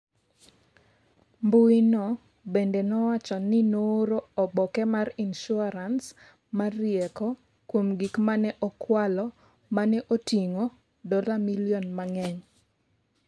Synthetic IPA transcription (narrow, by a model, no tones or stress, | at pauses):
mbuinɔ | bendenɔwat͡ʃɔnɪnoɾoɔbɔkɛmarinʃʊaɾans | marɪɛkɔ | kwomɡikmanɛʔɔkwalɔ | manɛʔotiŋo | dɔlamiljɔnmaŋɛɲ